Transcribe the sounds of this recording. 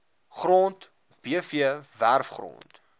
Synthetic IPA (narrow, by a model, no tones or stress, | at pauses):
χrɔnt | b̥iəfiəværfχrɔ̰nt